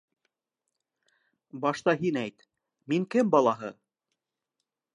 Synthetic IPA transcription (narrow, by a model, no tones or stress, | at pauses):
bɑʃt̪ɑɦinæjt̪ | miŋkɘmbɑlˠɑɦɤ